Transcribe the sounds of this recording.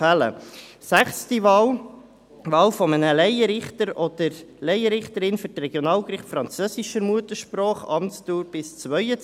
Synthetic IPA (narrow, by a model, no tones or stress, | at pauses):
ælə̰ | sæχstiʋɑːl | ʋɑːlfɔmənəlɛjəɾɪχtəɾɔd̪̥əɾlɛjəɾɪχt̪əɾɪnfʏɾtrɛɡjɔnɑːlkɾɪχtfɾɑnt͡søsiʃəmuət̪əʃprɔːχɑ̰mtstuːɾb̥ɪst͡sʋœʏə